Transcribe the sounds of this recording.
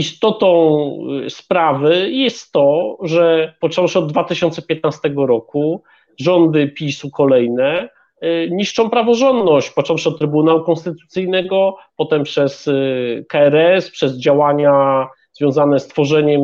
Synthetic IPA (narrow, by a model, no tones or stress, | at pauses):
ist̪ɔt̪ɔ̃w̃spɾavɘjɛst̪ːɔʐɛpɔt͡ʂɔwʂɛɔd̪ːvat̪ɘɕɔnt̪sɛpʲjɛt̪̚nast̪ɛɡɔɾɔku | ʐɔnd̪ɘpʲisukɔlɛjnɛ | ɲiʂt͡ʂɔ̃w̃pɾavɔʐɔnd̪nɔɕt͡ɕpɔt͡ʂɔwʂɛɔt̪ːɾɘbunawukɔ̃nst̪ɘt̪ut̪sɘjnɛɡɔpɔt̪ɛmpʂɛskaɛɾɛspʂɛzd͡ʑawaɲa | z̥vʲjɔ̃w̃zanɛst̪fɔʐɛɲɛm